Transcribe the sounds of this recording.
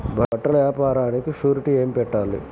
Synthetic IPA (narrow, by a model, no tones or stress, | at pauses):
bʱɐɐʈːɐlɐʋjaːpaːɾaːnikiʂuːɾiʈieːmpɛʈːaːlḭ